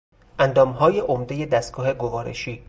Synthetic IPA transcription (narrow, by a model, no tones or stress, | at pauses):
ʔænd̪ɒːmɦɒːjeʔomd̪e̞je̞d̪æst̪̚ɡ̥ɒːɦe̞ɡo̞vɒːɾḛʃiː